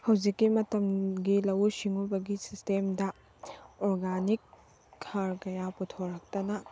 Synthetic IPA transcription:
hɐwd͡ʒikːimɐtɐmɡilɐwusiŋubɐɡisistemdɐ | oɾɡanikʰː | aɾkɐjaputʰoɾɐk̚tɐnɐ

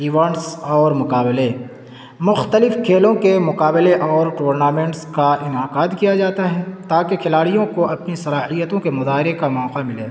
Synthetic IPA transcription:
iːʋãːɳʈsɔːɾmʊkaːble | mʊxt̪əlɪfkʰeːlõkemʊkaːbleʔɔːɾʈuːɾnaːmɛ̃ːɳʈskaʔɪnaːqaːd̪kijad͡ʒaːt̪aɦɛ̃ːt̪aːkekʰɪlaːɽijõkoʔɐpnisɐlaːɦijət̪õkemʊzaːɦɪɾekamɔːqamɪleː

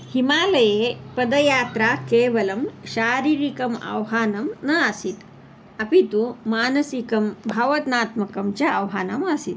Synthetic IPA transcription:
himaːlɐjeːpɐd̪ɐjaːt̪ɾaːkeːʋɐlɐmʃaːɾiːɾikɐmɐ̰wɦaːnɐmnɐasit̪ | ɐpit̪umaːnɐsikɐmbʱɐʋɐt̪naːt̪mɐkɐmt͡ʃɐɐwɦaːnɐmɐsit̪

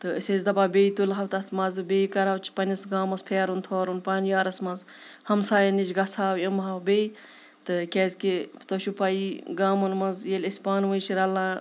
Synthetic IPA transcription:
t̪ɨɨsʲezʲd̪ɐbaːbʲejt̪ulɦɐwt̪ɐt̪ʰmɐzɨbeːikɐɾɐwt͡ʃʰpɐnʲɐsɡaːmɐspʰeːɾunt̪ʰoːɾunpaːnjaːɾɐsmɐz | hɐmsaːjɐnit͡ʃɡɐt͡sʰaːwimɦɐwbej | t̪ɨkʲezʲkit̪oʃupɐiɡaːmɐnmɐzjelʲisʲpaːnʋɨjt͡ʃʰiɾɐlãː

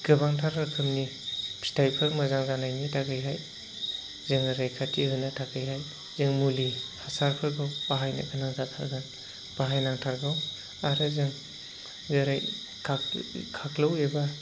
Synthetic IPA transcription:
ɡ̥ɯbaŋtʰaɾɡakʰɯmnipʰsi̥tʰajpʰɯɾmɐzaŋzanajnitʰaɡɯjɦaj | zɯŋɐɾajkʰatʰiɦɯnɐtʰaɡɯjɦaj | zɯŋmulihasaɾpʰɯɾɡawpaɦajnɐ̰kʰanaŋzatʰaɾɡan | paɦajnaŋtʰaɾɡaw | aɾɯzɯŋ | zɐɾaj | kʰakʰaklaweba

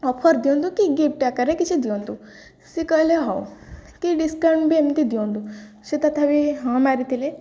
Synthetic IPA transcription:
ɔpʰəɾd̪jõnd̪ukiɡip̚ʈakəɾekit͡ʃid̪jõnd̪u | sikəleɦa̰wkiɖiskəɳbemt̪id̪jownd̪u | ʃit̪at̪ʰaʋiɦãmaɾit̪ile

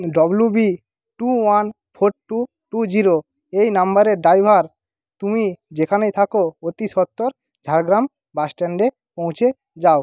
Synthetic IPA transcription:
ɖɔblubi | ʈuwan | pʰoʈʈu | ʈud͡ʑiɾo | ejnambaɾeɾɖajbʱaɾ | t̪umid͡ʑekʰanejt̪ʰakoot̪isɔt̪ːoɾ | d͡ʑʱaɽɡɾam | basʈeɳɖe | põw̃t͡ɕʰe | d͡ʑao

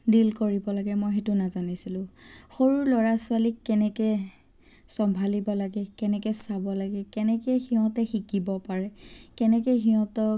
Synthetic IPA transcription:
dilkoɹibɔlaɡɛmojxɛtʊnazanisilʊ̃xoɹuɹlɔɹasʊalikːɛnɛkɛ | sɔmbʱalibɔlaɡɛkɛnɛkɛsabɔlaɡɛkɛnɛkɛxiɦɔ̃tɛxikibɔpaɹɛkɛnɛkɛxiɦɔ̃tɔ

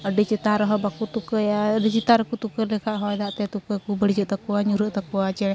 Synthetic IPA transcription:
əɖət͡ʃit̪aɾɔɦɔbakut̪ukəjaɖət͡ʃit̪aɾkut̪ukəlɛkʰaʔɦɔjd̪aʔt̪ɛt̪ukəkubəɽid͡ʒəʔt̪akuaɲuɾəʔt̪akuwat͡ʃɛ

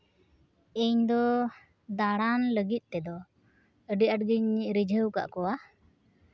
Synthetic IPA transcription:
eɲd̪ɔ | d̪aɽanləɡit̪̚ˀt̪ɛd̪ɔ | əɖiaʈɡiɲɾid͡ʒʱəwka̰ʔkɔwa

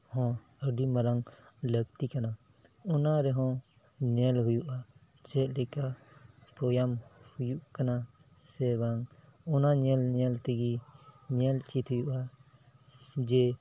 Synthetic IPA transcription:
hɔ̃ | əɖiməɾaŋləɡt̪ikana | unaɾɛɦɔ̃ | ɲɛlɦujuʔa | t͡ʃɛʔlɛkapɔjamhujuʔkana | sɛbaŋunaɲɛlɲɛlt̪ɛɡiɲɛlt͡ʃʰit̪hujuʔa | d͡ʒɛ

